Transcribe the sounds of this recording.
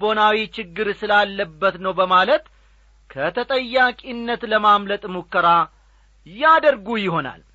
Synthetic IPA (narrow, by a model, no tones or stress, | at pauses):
bo̞nawit͡ʃɪɡːɨɾsɨlalːəbːət̪nəwbəmalət̪ | kʰət̪ʰət̪ʼəjːakʼinːət̪ləmamlət̪ʼmukʰːəɾa | jad̪əɾɡujɪɦo̞na̰l